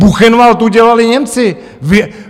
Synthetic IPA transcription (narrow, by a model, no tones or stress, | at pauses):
buxɛnvalt̪uɟɛlalɪɲɛmt͡sɪ | v